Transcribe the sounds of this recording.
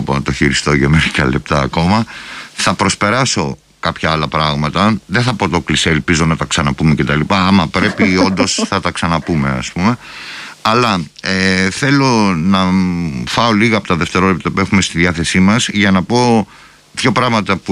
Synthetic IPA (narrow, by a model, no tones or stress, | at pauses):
ponɐt̪oçiɾist̪o̞ʝɐmeɾikɐ̰le̞̰p̚t̪ɐːko̞mɐθɐpɾo̞spe̞ɾɐso̞ | kɐpçɐɐlɐpɾɐɣmɐt̪ɐðeθɐpot̪o̞kliselpizo̞nɐt̪ɐksɐnɐpume̞ce̞t̪ɐlipɐːmɐpɾe̞pio̞nd̪o̞sθɐt̪ɐksɐnɐpume̞ɐ̰spume̞ | ɐlɐ | eθe̞lo̞nɐfɐo̞liɣɐːpot̪ɐðe̞ft̪e̞ɾo̞lep̚t̪ɐpue̞xumest̪iðiɐθe̞simɐzʝɐnɐpo̞ | pço̞pɾɐɣmɐt̪ɐpu